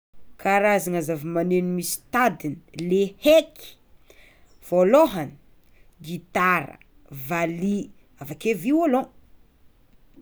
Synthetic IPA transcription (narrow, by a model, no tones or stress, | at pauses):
kʰaɾazaŋazavimanenimisi̥t̪ad̪inileheki̥ | v̥oloɦani̥ | ɡit̪aɾə̰ | vali | avakeviwalo